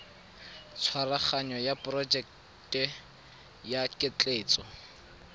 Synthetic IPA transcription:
t͡sʰwaraχaɲɔjapʼrɔd͡ʒɛk | tʼɛ | jakʼɪt͡ɬʼeːt͡sʼɔ

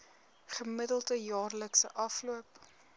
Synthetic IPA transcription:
χəmədəlˠdəjɑːrləksəʔɐfluəp

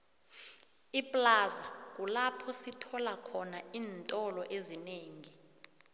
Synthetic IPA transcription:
ipʼlazak̬ʼulapʰɔsitʰɔlakʰɔnaiːntʼɔlɔʔezineːŋi

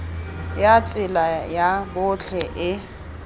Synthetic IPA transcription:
jat͡sʼɪlajabʊt͡ɬʰɛʔɪ

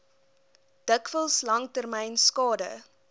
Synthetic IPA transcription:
d̥əkfəlˠslɐŋtərmɛjnskɑːdə̰

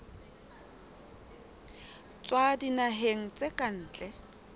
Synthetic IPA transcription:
t͡sʼwadinaɦeŋ̩t͡sʼekʼan̩ːt͡ɬʼɛ

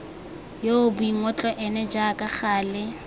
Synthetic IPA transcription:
joʊbʊiŋ̩ɔt͡ɬʼɔʔɛnɛd͡ʒakʼaχaːlɪ

